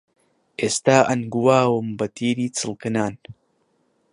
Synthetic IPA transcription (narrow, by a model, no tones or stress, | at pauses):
ʔeːst̪aːʔɐnɡuwaːwɨmbɐt̪ʰiːɾiːt͡sɨlˠkɨnaːn